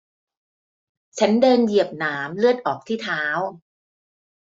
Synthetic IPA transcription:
t͡ɕʰa˦˥ndɤː˧nji˨˩əp̚naː˩˦mlɯ˥˩ət̪̚ʔɔː˨˩k̚t̪ʰiː˥˩t̪ʰaː˦˥w

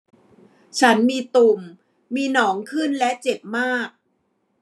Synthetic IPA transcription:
t͡ɕʰa˦˥nmiː˧t̪u˨˩mː | iː˧nɔː˩˦ŋkʰɯ˥˩nlɛ˦˥t͡ɕe˨˩p̚maː˥˩k̚

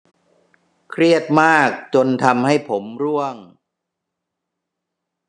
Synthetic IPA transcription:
kʰɾi˥˩ət̪̚maː˥˩k̚t͡ɕo˧nt̪ʰa˧mha˥˩jpʰo˩˦mɾu˥˩əŋ

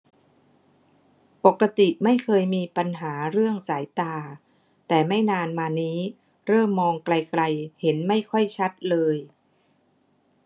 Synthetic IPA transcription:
po˨˩kːa˧t̪i˨˩ma˥˩jkʰɤː˧jmiː˧pa˧nɦaː˩˦ɾɯ˥˩əŋsaː˩˦jt̪aː˧ | t̪ɛː˨˩ma˥˩jnaː˧nmaː˧niː˦˥ | ɾɤː˥˩mːɔː˧ŋkla˧jkla˧jhe˩˦nma˥˩jkʰɔ˥˩jt͡ɕʰa˦˥t̪̚lɤː˧j

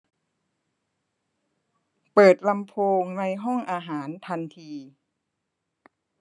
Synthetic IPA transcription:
pɤː˨˩t̪̚la˧mpʰoː˧ŋna˧jɦɔ˥˩ŋʔaː˧ɦaː˩˦nt̪ʰa˧nt̪ʰiː˧

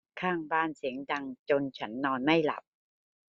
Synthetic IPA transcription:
kʰaː˥˩ŋbaː˥˩nsi˩˦əŋda˧ŋt͡ɕo˧nt͡ɕʰa˦˥nːɔː˧nma˥˩jla̰˨˩p̚

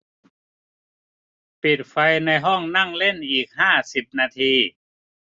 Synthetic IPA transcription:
pi˨˩t̪̚fa˧jna˧jɦɔ˥˩ŋna˥˩ŋle˥˩nʔiː˨˩k̚haː˥˩si˨˩p̚naː˧t̪ʰiː˧

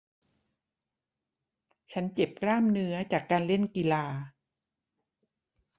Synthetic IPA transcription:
t͡ɕʰa˦˥nt͡ɕe˨˩p̚klaː˥˩mnɯ˦˥ɐt͡ɕaː˨˩kːaː˧nle˥˩nki˧laː˧

